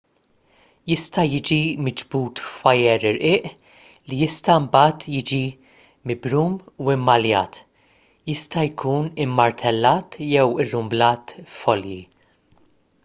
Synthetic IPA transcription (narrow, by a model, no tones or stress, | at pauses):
jɪst̪ɐjɪːd͡ʒimɪd͡ʒbuːt̪fɐjɛɾɪɾʔɪːʔ | lijɪst̪ɐmbɐːt̪jɪːd͡ʒi | mɪbɾuːmuɪmːɐljɐ̰ːt̪ | jɪst̪ɐjkʰuːnɪmːɐɾt̪ʰɛlːɐːt̪jɛwɪrːʊmblɐːt̪fɔljḭ